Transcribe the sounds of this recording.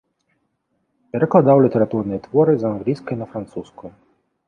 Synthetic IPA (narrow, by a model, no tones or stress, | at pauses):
pɛɾɛklˠɐd̪awlʲit̪ɛɾat̪uɾnɨjɛt̪ʋɔɾɨzanɣlʲijskɐinɐfɾant̪suskʊj